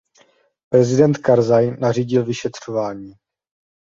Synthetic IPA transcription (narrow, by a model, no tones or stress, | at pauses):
pɾɛzɪdɛnt̪kaɾzajnariːɟɪlvɪʃɛt̪r̝̥ovaːɲiː